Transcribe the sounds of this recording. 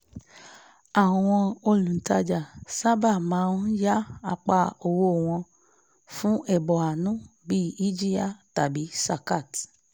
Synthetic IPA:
a˨wɔ˨w̃ɔ̃˧o˧lũ˨n̩˨ta˧d͡ʒa˨sa˦ba˦˨mãː˨˦˧ja˦a˧˨k͡pa˧o˨wo˧˨w̃ɔ̃˧ | fũ˦ʔɛ˦˨bɔ˨a˨nũ˦bi˦i˦d͡ʒi˦ja˦˨ta˨bi˨˦sa˧ka˦˨t

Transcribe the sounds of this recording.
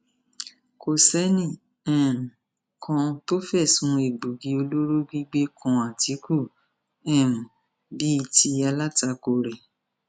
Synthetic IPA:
ko˨sɛ˨˦nĩ˦˨ | ɛ̃˦˨m̩˨ | kʰɔ̃˧to˦fɛ˦˨sũ˨˦e˨ɡ͡bu˨ɡi˨˧˦o˧lo˦ɾo˦ɡi˦ɡ͡be˦kɔ̃˧a˨ti˨˦ku˦˨ | ɛ̃˦˨m̩̃˨ | bi˨˦i˦˧ti˧a˧la˦ta˧ko˧ɾɛ˨

